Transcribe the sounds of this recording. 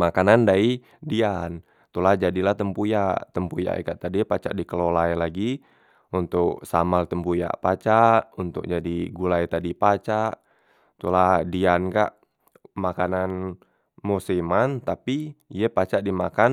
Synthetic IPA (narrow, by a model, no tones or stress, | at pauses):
makanandai | dian | t̪ulahd͡ʒadilaht̪əmpujat̪əmpuja̰ʔɛ̰kaʔt̪adipat͡ʃa̰ʔdikəlolajlaɡi | unt̪ʊk̚sa̰malt̪əmpuja̰ʔpat͡ʃaʔunt̪ʊ̰k̚d͡ʒadiɡulait̪adipat͡ʃaʔ | t̪uladianka̰ʔ | makanan | musimant̪apiijɛpat͡ʃaʔdimakan